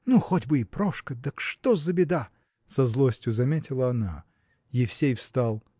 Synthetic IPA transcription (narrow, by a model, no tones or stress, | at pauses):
nuxodʲbɨɪpɾoʂkəd̪əkʂt̪ozəbʲɪd̪a | sɐzlˠosʲtʲjʊzɐmʲetʲɪlˠəɐna̰ | jɪfsʲejfst̪alˠ